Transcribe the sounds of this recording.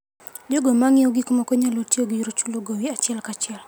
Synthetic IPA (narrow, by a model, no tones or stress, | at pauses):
d͡ʒoɡɔmaŋioɡikɔmakɔɲalotioɡiɾot͡ʃuloɡowiat͡ʃɛlkat͡ʃɛl